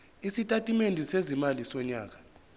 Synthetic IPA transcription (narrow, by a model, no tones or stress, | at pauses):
isitʼatʼimendʱisezimalisɔɲaːk̬ḁ